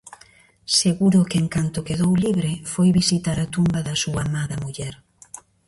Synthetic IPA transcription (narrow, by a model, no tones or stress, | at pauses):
seɣuɾʊkeŋkant̪ʊkeðowliβɾɪfojβisit̪aɾat̪umbɐðɐsuɐamaðɐmuʎɛɾ